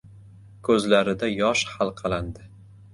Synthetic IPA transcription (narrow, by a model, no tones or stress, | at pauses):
kʰɵzlaɾɪd̪ajɒʃhalˠqʰɑlˠand̪ɪ